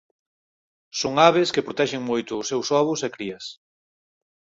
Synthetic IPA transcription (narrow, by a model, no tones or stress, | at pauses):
soŋaβeskepɾot̪ɛʃɪŋmojt̪ʊːsewsɔβʊsɛkɾiɐs